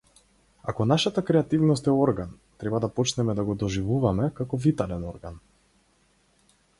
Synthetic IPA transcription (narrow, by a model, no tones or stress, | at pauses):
akɔnaʃat̪akɾɛat̪ivnɔst̪ɛɔɾɡan | t̪ɾɛbad̪apɔt͡ʃnɛmɛd̪aɡɔd̪ɔʒivuvamɛkakɔvit̪alɛnɔɾɡan